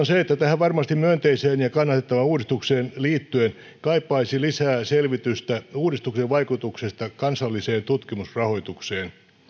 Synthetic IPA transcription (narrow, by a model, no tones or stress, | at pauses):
onseet̪ːæt̪æhæʋʋɑrmɑst̪imyønt̪eiseːnjɑkɑnːɑt̪et̪ːɑʋɑuːdist̪ukseːnliːt̪ːyen | kɑipːɑisilisæːselʋit̪yst̪æuːdist̪ukseʋʋɑikut̪uksest̪ɑkɑnsɑlːiseːnt̪ut̪kimusrɑhoit̪ukseːn